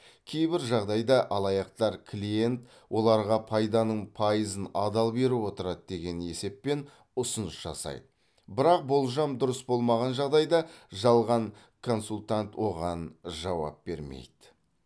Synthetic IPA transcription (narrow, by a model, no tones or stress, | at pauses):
kʲʰe̞jbɪɾʒɑʁd̪ɑjd̪ɑʔɑlˠɑjɑqt̪ɑɾkʰlʲije̞nt̪ | wʔo̞lˠɑɾʁɑpʰɑjd̪ɑnəɴpʰɑjəzənɑd̪ɑlˠbe̞ɾuwo̞t̪əɾɑd̪d̪e̞ɡʲe̞ne̞se̞pːe̞n | ʊsʊnəsʒ̥ɑ̰sɑ̰jd̪ə | bɪɾɑq̚bo̞lˠʒɑmd̪ʊɾəsbo̞lˠmɑʁɑnʒɑʁd̪ɑjd̪ɑʒɑlˠʁɑɴ | kʰo̞nsulʲˠt̪ant̪wo̞ʁɑnʒɑwɑ̰p̚b̥e̞ɾme̞̰jd̪̥ɪ